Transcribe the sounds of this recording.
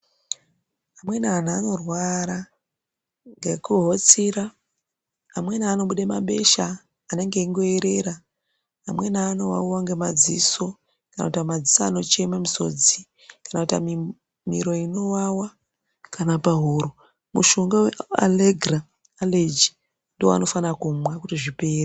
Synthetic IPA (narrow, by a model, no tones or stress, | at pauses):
amwe̞naːnaːno̞rwaɾa | ŋɡekuɦo̞t͡siraː | mwe̞naːno̞ɓuɗemaɓe̞̰ʃa | ane̞ŋɡeiŋɡo̞eɾe̞ɾaː | mwe̞naːno̞wa̰uwaŋɡe̞mad͡ziso̞ | kana̰kutamad͡zisaːno̞t͡ʃe̞mamuso̞̰d͡zi | kanakuta̰mi | mḭɾo̞ino̞wawa | kanapaɦuɾo | mṵʃoŋɡawea̰leɡra | aled͡ʒi | ndoa̰no̞fanakumwakutiʐipe̞ːra